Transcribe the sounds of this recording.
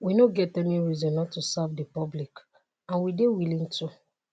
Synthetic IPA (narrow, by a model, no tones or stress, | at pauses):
winoɡɛtɛniɹizɔ̃nːɔtːusavdipɔblik | ãnwidewilĩntʰu